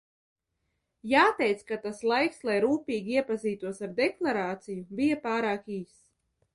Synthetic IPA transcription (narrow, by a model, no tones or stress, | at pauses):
jaːt̪ɛjt̪skat̪aslˠajkslˠajɾuːpʲiːɡʲiiɛpaziːt̪uɔsaɾd̪ɛklˠaɾaːt̪sijubijapaːɾaːkiːs